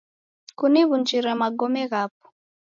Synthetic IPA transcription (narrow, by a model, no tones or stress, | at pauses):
kuniβund͡ʒiɾɛmaɡɔmɛɣap̚ɔ̥